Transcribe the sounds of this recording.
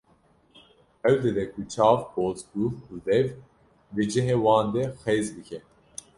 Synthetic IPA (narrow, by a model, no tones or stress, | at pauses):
ɛwd̪ɛd̪ɛkʰut͡ʃʰɑːvboːzɡuud̪ɛv | dɨd͡ʒɪɦewɑːnd̪ɛxeːzbɨkʰɛ